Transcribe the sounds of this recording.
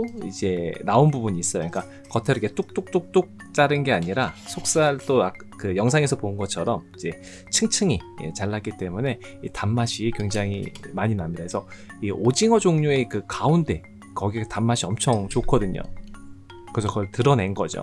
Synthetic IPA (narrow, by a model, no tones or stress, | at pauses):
oid͡ʑe̞naunbubuɲiːs͈ʌjo̰ɲik͈a | kʌtʰeɾɯket͈ok̚t͈uk̚t͈uk̚t͈ok̚t͡ɕ͈aɾɯnɡe̞aɲiɾasʰok̚s͈aɭt͈oak̚ | kɯjʌŋs̬ʰaŋe̞sʰʌpoɯnɡʌt͡ɕʰʌɾʌmid͡ʑe̞ | t͡ɕʰɯŋt͡ɕʰɯŋijḛt͡ɕaɭːak͈it͈e̞mune̞ | itamːaɕʰikweŋd͡ʑaŋḭmaɲinamɲidakesʰʌiʔod͡ʑiŋʌd͡ʑoŋɲue̞kɯkaunde̞ | kʌɡietamːaɕʰiʌmt͡ɕʰʌŋt͡ɕokʰʌdɯɲo̰ | kɯɾesʰʌkʌɭtɯɾʌne̞nɡʌd͡ʑo̰